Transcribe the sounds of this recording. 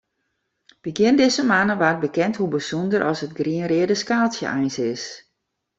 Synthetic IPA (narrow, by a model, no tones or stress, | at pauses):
bəɡjɪndɪzəmanəʋat̚bəkɛnthubəsundərʔɔsət̚ɡriənrɪədəskaːsjə̰ʔɛjnsɪs